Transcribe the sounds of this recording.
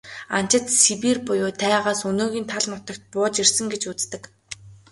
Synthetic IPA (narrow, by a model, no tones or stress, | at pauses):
a̰n̥t͡ɕɪ̆t̪sipiːrpʊjʊːt̪ʰæːʁaːsɵnoːɣiːnt̪ʰaɮnʊt̪ɞ̆kt̪̚pʊːt͡ɕirsə̆ŋɡet͡ɕut͡st̪ɘ̆k